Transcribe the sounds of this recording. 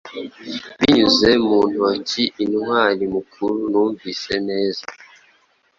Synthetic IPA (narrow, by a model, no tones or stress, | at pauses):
biɲuzemuːntuwaciʔinuhwalimukʰuɾunuːɱviseneːza